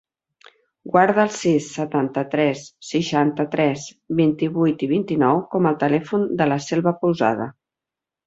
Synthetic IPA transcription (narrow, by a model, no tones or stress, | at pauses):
ɡwaɾð̞əːlˠsisːət̪ant̪ət̪ɾɛsːəʃant̪ət̪ɾɛs | βint̪iβujt̪iβ̞int̪inɔwkɔməlˠt̪əlɛfund̪ələsɛlˠβəpuwza̰ðə̰